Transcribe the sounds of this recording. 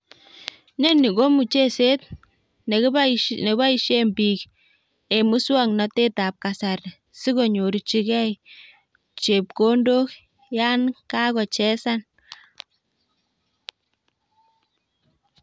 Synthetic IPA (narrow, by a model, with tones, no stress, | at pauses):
nɛ˦nːi˨ɡo˦mu˨t͡ʃe˦se˦t̚ | n˨˦ne˨ba˦i˨ʃe˦mbiː˨k | e˨mu˦swa˦ŋnɔ˨te˦ta˨p̚ka˨sa˨ɾ | si˦ko˨ɲo˨ɾt͡ʃi˦kɛ˦j | t͡ʃe˨p̚ko˦ndo˦k | ja˦nka˦kɔ˨t͡ʃɛ˦sa˦n